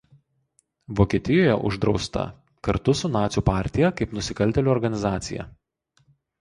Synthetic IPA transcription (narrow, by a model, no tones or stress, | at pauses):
ʋoːkʲiɛt̪ʲɪjoːjɛ̰ʔʊ̰ʒd̪ɾɒʊst̪ɐ̰ | kɐɾt̪ʊsʊnɑːt̪sʲuːpɑːˑɾʲt̪ʲɪjɛkɐɪpnʊsʲɪkɐlʲt̪ʲɛlʲuɔɾɡɐnʲɪzɑːt̪sʲɪ̰jɛ̰